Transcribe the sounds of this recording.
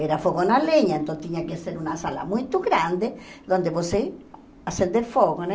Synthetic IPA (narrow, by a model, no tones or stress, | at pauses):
eɾafoɣonaleɲaẽnt̪ont̪iɲakeseɾunasala̰mujt̪oɣɾand̪eðond̪eβose | asend̪eɾfoɣone